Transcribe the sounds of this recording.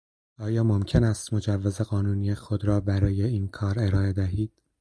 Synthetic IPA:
ɒːjɒːmo̞mcʰe̞næːst̪mo̞d͡ʒævːeze̞ɣɒːnuːnijexod̪ɾɒːbæɾɒːje̞iːnkʰɒːɾe̞ɾɒːe̞d̪æɦiːd̪̥

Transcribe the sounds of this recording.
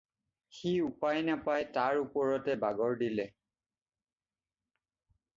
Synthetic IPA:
xiupajnapajtaɹupɔɹɔtɛbaɡɔɹdilɛ

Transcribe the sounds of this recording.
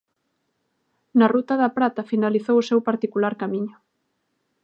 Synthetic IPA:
nɐrut̪ɐðɐpɾat̪ɐfinaliθowʊsewpaɾt̪ikulaɾkamiɲʊ

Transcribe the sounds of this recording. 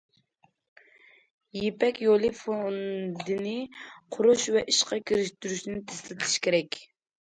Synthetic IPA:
jepɛkʲjolˠɨfond̪ɪnɪqʰʊɾuʃvɛʔiʃqɑkʲʰiɾɪʃt̪yɾyʃnɪt̪ʰe̥slɪt̪ʰlɪ̥ʃkʲeɾɛkʲ

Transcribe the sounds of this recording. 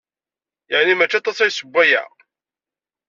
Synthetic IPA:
jəʕnimæt͡ʃːɑt̪ˤːɑsæjsəbʷːæjæ̰

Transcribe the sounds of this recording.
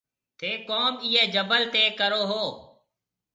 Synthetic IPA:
t̪ʰeːkoːmiːeːd͡ʒəbəlt̪eːkəɾoːɦoː

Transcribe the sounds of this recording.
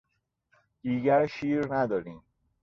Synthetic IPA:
d̪̥iːɡæɾʃiːɾnæd̪ɒːɾiːm

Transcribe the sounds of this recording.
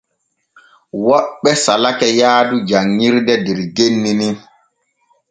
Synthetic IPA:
wɔɓːɛsalakɛjaːdud͡ʒaŋːiɾdɛdɛɾɡenːini

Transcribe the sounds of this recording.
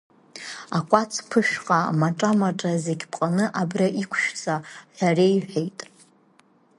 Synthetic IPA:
akʷʼat͡sʰpʰɨʃqʼamaʈ͡ʂʼamaʈ͡ʂʼazeɡʲpʰʼqʼanɨʔabraʔikʷʰʃᶣt͡sʰʼaħʷarejħʷᶣejtʼ

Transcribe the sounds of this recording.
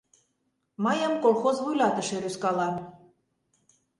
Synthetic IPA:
mɑjə̆mkolˠxozβujlɑt̪ə̆ʃeɾyskɑlɑn

